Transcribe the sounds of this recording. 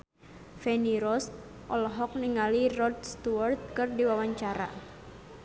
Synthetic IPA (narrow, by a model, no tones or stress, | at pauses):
fɛniɾɔs | ʔɔlɦɔk̚niŋalirɔd̚st̪uwart̪̚kɨrdiwawaɲt͡ʃaɾa̰